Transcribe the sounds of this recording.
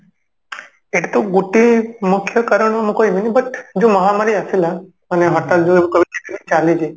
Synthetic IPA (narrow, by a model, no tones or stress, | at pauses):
eʈt̪oɡuʈimʊkʰjəkəɾəɳamukojʋinibəʈd͡ʒoməɦamaɾiasela | əneɦəɾt̪ad͡ʒoeukəʋiket̪enit͡ʃaled͡ʒe